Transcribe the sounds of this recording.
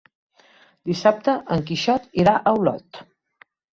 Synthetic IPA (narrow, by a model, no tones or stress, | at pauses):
d̪isap̚t̪əʔəŋkiʃɔt̪iɾaʔəwlɔ̰t̪